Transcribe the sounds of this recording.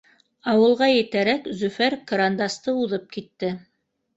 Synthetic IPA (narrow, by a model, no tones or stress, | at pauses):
ɑwɤ̆lˠʁɑjɘ̆t̪æɾækzɵ̆fæɾkɐɾand̪ɑst̪ɤuðɤp̚kit̪ːɘ